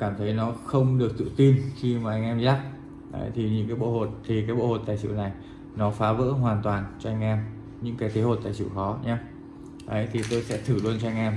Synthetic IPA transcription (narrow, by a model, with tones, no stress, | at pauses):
kaː˧˩mt̪ʰə˨˦jnɔ˨˦xə˧wŋ͡mɗɨ˨˩ək̚t̪ɨ̰˧˨t̪i˧nxi˧maː˨˩ʔa˧jŋ̟ʔɛ˧mzaː˦˥k̚ | ʔə̰˨˦jt̪ʰi˨˩ɲɨ̰˧˥ŋkaː˨˦jɓo̰˧˨ho̰˧˨˩t̪ʰi˨˩kaː˨˦jɓo̰˧˨ho̰˨˩t̪a̰ː˧˨jsḭ˧˨wna˨˩j | nɔ˨˦faː˨˦və̰ː˧˥ɦwaː˨˩nt̪waː˨˩nt͡ɕɔ˧ʔa˧jŋ̟ʔɛ˧m | ɲɨ̰˧˥ŋkaː˨˦jt̪ʰe˨˦ho˨˩t̪a̰ː˧˨sḭ˧˩˨wxɔ˨˦ɲaː˧ | ʔə˨˦jt̪ʰi˨˩t̪o˧jsɛ̰˧˥t̪ʰɨ˧˩lwu˧nt͡ɕɔ˧a˧jŋ̟ʔɛ˧m